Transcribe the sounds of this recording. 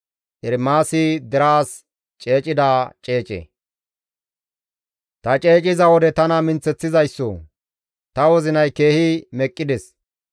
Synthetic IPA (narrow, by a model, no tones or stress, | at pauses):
ʔɛɾmaːsɪd̪ɛɾaːs | t͡ʃʼe̞ːt͡ʃʼɪd̪aːt͡ʃʼe̞ːt͡ʃʼɛ̰ | t̪ɐt͡ʃʼe̞ːt͡ʃʼɪzɐwɔd̪ɛt̪ɐnɐmɪnt͡sːɛt͡sːɪzɐjsːɔ̰ | t̪ɐwɔzɪnɐjke̞ːhɪmɛkʼːɪd̪ɛs